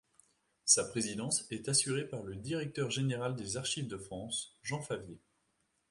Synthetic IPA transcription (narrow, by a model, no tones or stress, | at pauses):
sapχezid̪ɑ̃sɛt̪asyʁepaʁləd̪iʁɛk̚t̪œʁʒeneʁald̪ezaʁʃivd̪əfχɑ̃sʒɑ̃favje